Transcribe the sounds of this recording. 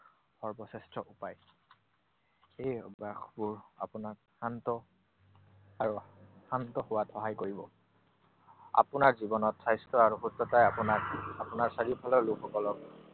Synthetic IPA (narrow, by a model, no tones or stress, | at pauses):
bɔɹbɔsɛstɹɔʔupaj | ejbaxbuɹa̰pʊnak̚ | hantɔ | aɹuhantɔhʊwatɔɦajkoɹibɔ | a̰pʊnaɹzibɔnɔtʰːsajstɹɔaɹuxutːɔtajapunaapunaɹsaɹipʰalɔɹlukʰɔkɔlɔk̚